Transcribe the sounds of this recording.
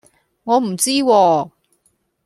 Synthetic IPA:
ŋɔː˨˧m̩˨˩t͡siː˥wɔː˧

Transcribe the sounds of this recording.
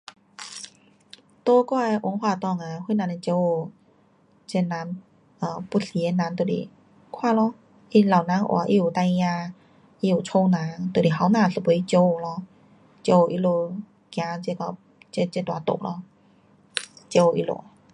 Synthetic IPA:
t̪o˧kɔ˧a˧ʔo˧˦ŋwaː˧˨t̪ɔ˧˨ŋa˨wu˧˥˨nã˧ni˧t͡ɕe˧o˧˩ | t͡ɕe˧nã˨˦n | ʔə˧˨˩pu˧ɬi˧˨e˧nã˨˧˦nt̪o˧˩lḭ˨˩ | kʰwaː˥˧˨lɔ˧˦ | ʔi˧la˨˩wnã˨˧˥ŋʔɔ̰˧a˨˦ʔḭ˧u˨˩t̪a˧jjã˧ | ʔi˧u˨˩t͡ɕʰo˧nã˨˦ŋt̪o˧˩˨i˨˩ɦa˧˩˦nãː˧˩˨sə˧˨pu˨˧˦i˧t͡ɕo˧o˧˨lɔ˧˩ | t͡ɕe˧o˧˩ʔi˧lo˧ | kjã˧t͡ɕe˧kɔ˧˩ | t͡ɕe˧t͡ɕe˧˨t̪wa˨˧˦t̪o̰˧˨ʔ̚lɔ̰˧˦ | t͡ɕe˧˦o˧˩ʔḭ˧lo̰˧˨

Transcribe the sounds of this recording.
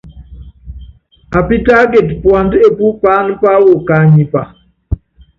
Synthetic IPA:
a˨pi˦ta˦ɡe˨tpwa˨nde˨pu˦pa˦n˦pa˦wo˦˨ka˨˦ɲi˨pa˨

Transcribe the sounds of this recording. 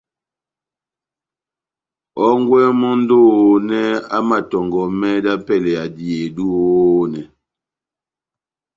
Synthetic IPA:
ɔ˦ŋ˦ɡwɛ˦mɔ˦n̩˦do˦o˦nɛ˦a̰˦ma˨tɔ˨ŋɡɔ˨mɛ˦da˦pɛ˦˨lɛ˨a˨di˨e˨du˦o˦nɛ˨

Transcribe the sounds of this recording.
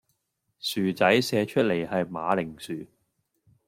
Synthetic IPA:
syː˨t͡sɐ˨˥jsɛː˧t͡ʃʰɵ˥t̚le˨˩jhɐ˨jmaː˨˧lɪ˨˩ŋsyː˨

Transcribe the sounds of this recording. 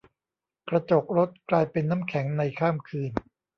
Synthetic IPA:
kɾa˧t͡ɕo˨˩k̚ɾo˦˥t̪̚klaː˧jpe˧nːaː˦˥mkʰɛ˩˦ŋna˧jkʰaː˥˩mkʰɯː˧n

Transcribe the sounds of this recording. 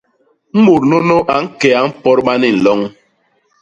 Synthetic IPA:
m̩˦mu˨ɾno˦no˦ʔa˨ŋ̩˦kɛ˨a˨˦m̩˦pɔ˦ɾɓa˦ni˦˨n̩˨lɔ˦ŋ

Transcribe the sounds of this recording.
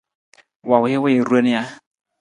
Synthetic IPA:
wa˨wʊ˨ɪ˦wɪ˦ɪ˨ɾu˦e˦nɪ˦ja˦

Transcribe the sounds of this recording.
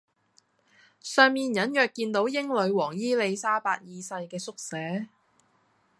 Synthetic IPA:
sœː˨˧ŋmiː˨˧njɐ˨˥njœː˨kːiː˧nt̪o˨˥wjɪ˥ŋlɵ˨˧ɥwɔː˨˩ŋjiː˥le˨˧jsaː˥paː˧t̚jiː˧sɐ˧jkɛː˧sʊ˥k̚sɛː˨˥

